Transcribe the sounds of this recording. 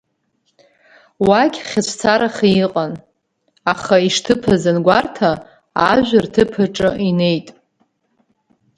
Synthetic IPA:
wakʲχʲat͡ɕʷʰt͡sʰaɾaχiqʼan | aχaiʂtʰɨpʰazɨnɡʷartʰaː | ʒᶣʷartʰɨpʰaʈ͡ʂʼɨine̞jtʼ

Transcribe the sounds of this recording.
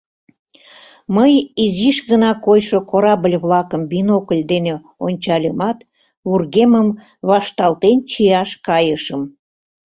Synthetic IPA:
məjiziʃɣənɑkojʃokoɾɑbəlʲβlɑkəmbinokəlʲd̪ene | onʲt͡ɕɑlʲəmɑt̪ | βurɣeməm | βɑʃt̪ɑlt̪ent͡ɕijɑʃkɑjəʃəm

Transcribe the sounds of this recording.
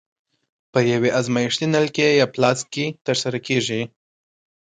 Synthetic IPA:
pəjaweʔazmajɪʂt̪inalkejɑplɑskit̪əɾsaɾakʰeʒi

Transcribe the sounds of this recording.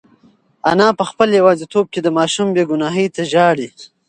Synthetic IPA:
anɑpəxpəljawɑːzet̪ʰob̚ked̪əmɑːʃumbeɡʊnɑːɦəjt̪aʒɑɽi

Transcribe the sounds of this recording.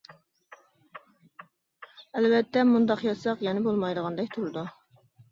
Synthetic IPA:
ælbɛt̪ːɛmund̪ɑqjɑsɑqjɛnɪbolˠmɑjd̪əʁɑnd̪ɛkʲt̪ʰuɾɨd̪u

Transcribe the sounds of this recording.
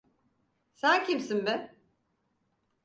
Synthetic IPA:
sæncʰimsinbɛ

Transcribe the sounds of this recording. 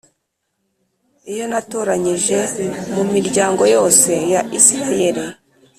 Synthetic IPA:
ijo̞nato̞ɾaɲiʒe̞mumiɾɟaːŋɡo̞jo̞ːse̞jaʔisiɾaje̞ɾi

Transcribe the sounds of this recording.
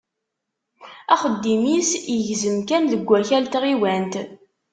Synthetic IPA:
æχəd̪ːimisjəʝzəmkænðəɡʷːæçælt̪ʁiwænt̪

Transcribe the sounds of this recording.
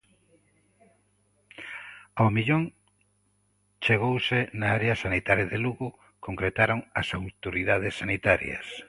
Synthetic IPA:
awmiʎoŋ | t͡ʃeɣ̞owsenaaɾeɐsanit̪aɾjɐðeluɣʊ | koŋkɾet̪aɾoŋɐsawt̪oɾiðað̞esːanit̪aɾjɐ̰s

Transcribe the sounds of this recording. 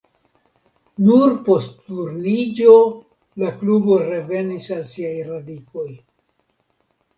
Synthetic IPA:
nuɾpo̞sttuɾnid͡ʒo̞ | laklubo̞ɾe̞ve̞nisalsiajɾadiko̞j

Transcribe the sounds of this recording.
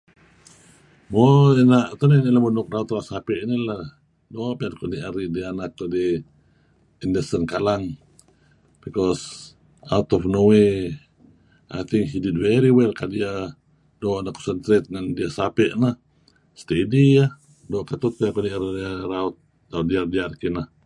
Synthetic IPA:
moenaʔt̪oninilamunuk̚raut̪ɾasapɛʔnila | dopiankoniʔaɾidianak̚t̪odi | indəsənkalaŋ | b̥ikɔs | aut̪ɔfnowe | a̰t̪ʰiŋɦidid̚wɛɾiwɛlkadia | doʔanaʔkɔ̥sənt̪ɾet̪̚ŋandiasapɛʔnah | st̪ediah | dɔʔkat̪ut̪̚pankoniʔaɾiraut̪̚ː | adiardiarkinah

